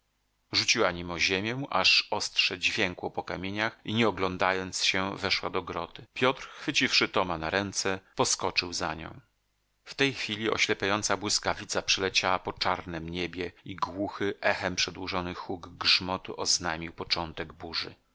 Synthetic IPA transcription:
ʐut͡ɕiwaɲimɔʑemʲjɛʔa̰ʂɔst̪ʂɛd͡ʑvʲjɛŋkwɔpɔkamʲjeɲaxiɲɛɔɡlɔnd̪ajɔnt̪sɕɛvɛʂwa̰d̪ɔɡɾɔt̪ɘpʲjɔt̪ɾxfɘt͡ɕifʂɘt̪ɔmanaɾɛnt̪sɛpɔskɔt͡ʂɘwzaɲɔ̰̃w̃ | ft̪ɛjxfʲilʲiɔ̰ɕlɛpʲjajɔnt̪sabwɘskavʲit̪sapʂɛlɛt͡ɕawapɔt͡ʂaɾnɛmɲebʲjɛiɡwuxɘʔɛxɛmpʂɛd̪wuʐɔnɘxuɡːʐmɔt̪uʔɔznajmʲiwpɔt͡ʂɔnt̪ɛɡbuʐɘ̰

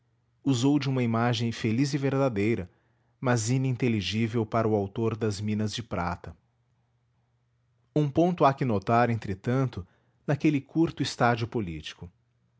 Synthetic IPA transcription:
uzowd͡ʒɪũmɐimaʒẽj̃felizɪveɾd̪ad̪ejɾɐ | mɐzĩnĩnt̪eliʒivewpaɾɐʊawt̪oɾd̪ɐzmĩnɐzd͡ʒɪpɾat̪ɐ | ũpõnt̪ʊakɪnot̪aɾẽnt̪ɾɪt̪ɐ̃nt̪ʊ | nakelɪkʰuɾt̪ʊist̪ad͡ʒiʊpolḭt͡ʃi̥kʊ

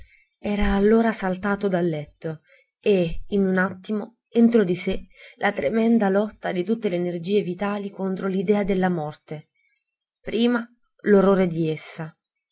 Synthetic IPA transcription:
ɛːɾaːlːoːɾasalt̪aːt̪od̪alːɛt̪ːo | einunat̪ːimo | ent̪ɾod̪iselʔat̪ɾemɛnd̪alɔt̪ːad̪it̪ut̪ːeleːnerd͡ʒiːevit̪aːlikont̪ɾolid̪ɛːad̪elːamɔrt̪e | pɾiːma | lorːoːɾed̪iesːa

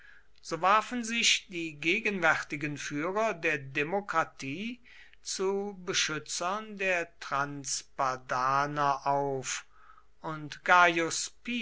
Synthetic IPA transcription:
z̥oːvaɐfn̩zɪʃd̥iːɡeːɡənvɛʁtɪɡənfyːʁɐdeːɐdemokʁ̥atʰiː | t͡subəʃʏt͡sɐndeːɐtʁ̥ansb̥adaːnɐʔaʊf | ʊntɡ̥ajʊspi

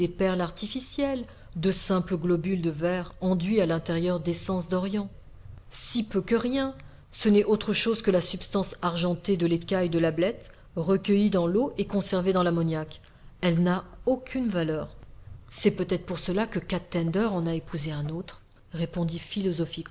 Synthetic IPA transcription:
epɛʁlaʁt̪ifisjɛl | d̪əsɛ̃pləɡlɔbyld̪əvɛʁɑ̃d̪ɥialɛ̃t̪eʁjœʁd̪esɑ̃sd̪ɔʁjɑ̃ | sipøkəʁjɛ̃ | sənɛʔot̪χəʃozkəlasypst̪ɑ̃saʁʒɑ̃t̪ed̪əlekajd̪əlablɛt̪ | ʁəkʲəjid̪ɑ̃loʔekɔ̃sɛʁved̪ɑ̃lamɔnjak | ɛlnaokʲʰynvalœʁsɛpøt̪ɛt̪χpuʁsəlakəkat̪ːɛ̃nd̪œʁɑ̃naepuzeɛ̃not̪χ | ʁepɔ̃d̪ifilɔzɔfik

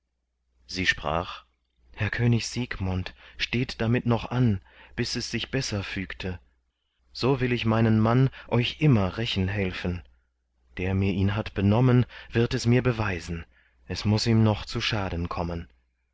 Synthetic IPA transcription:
z̥iːʃpʁ̥a̰ːχ | hɛɐkʰøːnɪçz̥iːkmʊntʃteːtd̥amɪtnɔχʔan | b̥ɪsɛsz̥ɪçb̥ɛsɐfyːktʰə | z̥oːvɪlɪçmaɪnənmanʔɔʏçʔɪmɐʁɛçn̩ɦɛlfn̩ | d̥eːɐmiːɐʔiːnɦatb̥ənɔmənvɪɐtɛsmiːɐbəvaɪzn̩ | ʔɛsmʊsiːmnɔχt͡suʃaːdn̩kʰɔmən

